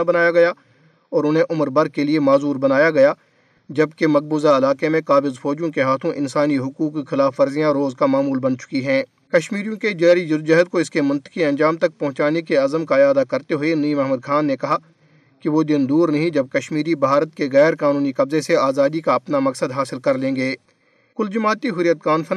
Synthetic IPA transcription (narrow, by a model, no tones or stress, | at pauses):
bɐnaːjaɡɐja | ɔːɾʊnɦẽʔʊməɾbɐɾkeliemaːzuːɾbɐnaːjaɡɐja | d͡ʒɐbkemɐk̚buːzaɪlaːkemẽkaːbɪzfɔːd͡ʒjõkeɦaːt̪ʰõʔɪ̃nsaːniɦʊkuːkːixɪlaːfːɐɾzijãɾoːzkamaːmuːlbɐnt͡ʃʊ̥kiɦɛ̃ː | kɐʃmiːɾijõked͡ʒɛːɾid͡ʒʊɾd͡ʒɐɦəd̪̚koɪskemʊ̃nt̪ə̥kiɐ̃nd͡ʒaːmt̪ɐk̚pɐɦʊ̃t͡ʃaːnekeɐzəmkajaːd̪akɐɾt̪eɦʊeniːmɛɦməd̪̚kʰaːnːekɐɦa | kiʋod̪ɪnd̪uːɾnɐɦĩd͡ʒɐb̚kɐʃmiːɾibʱaːɾət̪keɣɛːɾkaːnuːnikɐbzeseaːzaːd̪ikaɐpnamɐksəd̪ɦaːsɪlkɐɾlẽːɡeː | kʊld͡ʒɐmaːt̪iɦʊɾijət̪̚kaːnfʰɐn